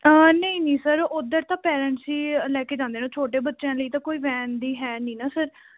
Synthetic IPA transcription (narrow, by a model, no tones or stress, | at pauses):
əːnəĩːnĩːsəɾʊd̪əɾt̪ãːpɛːɾəɳʈsiːlɛːkeːd͡ʒãːnd̪eːnãːt͡ʃʰoːʈeːbətːʃãːləiːt̪ãːkoːiːʋɛ̃ːnd̪iːɦɛːniːnaːsəɾ